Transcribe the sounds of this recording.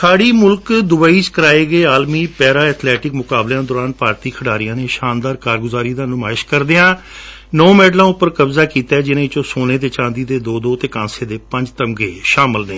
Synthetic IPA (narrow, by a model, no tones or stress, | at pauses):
sʰaːɽiːmʊlkd̪ʊbəːiːt͡ʃkəɾaːeːɡeːaːlmiːpɛːɾaːɛːt̪ʰlɛːʈɪkmʊkaːblãːd̪ɔːɾãːnpaːɾt̪iːkʰəɽaːɾɪjãːneːʃaːnd̪aːɾkaːɾɡʊzaːɾiːd̪aːnʊmaːɪʃkəɾd̪eãː | noːmɛːɖlãːʊpːəɾkəbzaːkiːt̪aɛːd͡ʒɪnẽːɪt͡ʃõːsoːneːd̪eːt͡ʃãːnd̪iːd̪eːd̪oːd̪oːt̪eːkãːseːd̪eːpə̃ɲd͡ʒt̪əmɡeːʃaːmɪlnḛː